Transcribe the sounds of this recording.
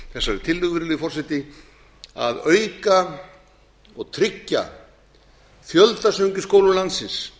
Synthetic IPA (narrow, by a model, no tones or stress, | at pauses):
θɛsːaɾɛɾ̥t̪ʰɪlːʏɣvɪɾlɪifɔr̥sɪt̪ɪ | a̰ðœːɥka | ɔɣt̪ʰɾɪcːa̰ | fjœlt̪asœɥɲcʏskoːwlʏlant̪sɪns